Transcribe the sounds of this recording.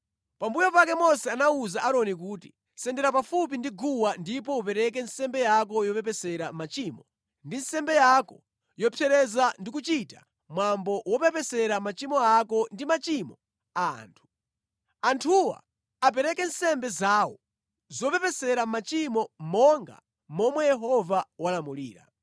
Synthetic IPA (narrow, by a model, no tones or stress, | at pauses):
pambujɔpakɛmɔsɛanauzaʔaɾɔnikuːti̥̰ | sɛndɛɾapafup̬indiɡuwandipɔupɛɾɛk̬ɛnsɛmbɛjak̬ɔjɔpɛpɛsɛɾam̩mat͡ʃiːmɔ | ndinsɛmbɛjakɔ | jɔpʰjɛɾɛzandikut͡ʃita̰ | mwambɔwɔpɛpɛsɛɾamat͡ʃimɔakɔndimat͡ʃimɔ | aa̰ːntʰu̥ | antʰuwa̰ | ap̬ɛɾɛkɛnsɛmbɛzawɔ | zɔpɛpɛsɛɾam̩mat͡ʃimɔmɔŋɡa̰ | mɔmwɛjɛɦɔvawalamuliːɾa̰